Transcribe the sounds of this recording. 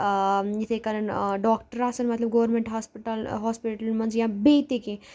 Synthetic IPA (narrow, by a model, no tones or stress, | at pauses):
jit̪ʰekɐɾənɖɔːk̚ʈəɾasɐnmɐt̪ləbɡoʋəɾmẽɳʈɦaːspiʈəlɦɔːspiʈəlmɐ̃nd͡ʒjãbet̪ekẽ